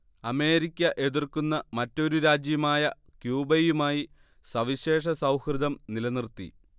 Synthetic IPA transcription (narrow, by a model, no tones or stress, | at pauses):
ɐme̞ːɾikʲːɐʔe̞ðirkunːɐmɐtːo̞ɾuɾaːd͡ʑjɐmaːjɐ | kjuːbɐjumaːji | sɐʋiɕe̞ːʂ̬ɐsɐwhrɨd̪ɐmnilɐnirt̪ḭ